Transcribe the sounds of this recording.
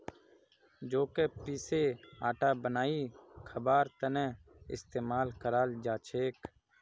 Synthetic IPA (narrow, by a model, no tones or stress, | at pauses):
d͡ʒoːkeːpiːseːaːʈaːbənaːiːkʰəbaːɾt̪ənɛ̃ːɪ̰st̪eːmaːlkəɾaːld͡ʒaːt͡ʃʰeːk